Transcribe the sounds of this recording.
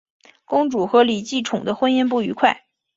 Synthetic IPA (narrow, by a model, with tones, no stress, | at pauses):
kʊ˥ŋʈ͡ʂu˨˩xɤ˧˥li˨˩t͡ɕi˥˩ʈ͡ʂʰʊ˨˩ŋd̪ə˦xwə˥njɛ˥˧np̬u˥˩y˧˥kʰwa˥˩ɪ